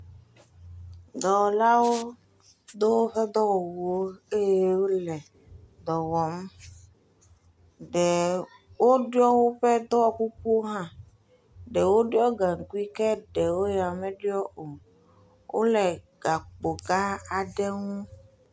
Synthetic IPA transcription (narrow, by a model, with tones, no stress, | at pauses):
d̪ɔ˨la˦wo˦ | d̪o˦wo˦ɸɛ˦d̪ɔ˦wɔ˨wo˦e˦je˦wo˦lɛ˨ | d̪ɔ˨wɔ˨m | ɖɛ˨ | wo˦ɖjɔ˦wo˦ɸɛ˦d̪ɔ˦ɔ˨ku˦ku˦o˦ɦã˦ | ɖɛ˨wo˦ɖɔ˦ɡa˨ŋ̩˨ku˦i˦kɛ˦ɖɛ˨wo˦ja˨mɛ̃˦ɖjɔ˦o˨ | wʔo̰˦lɛ˨ | ɡa˨k͡po˨ɡa˦a˨ɖɛ˦ŋũ˦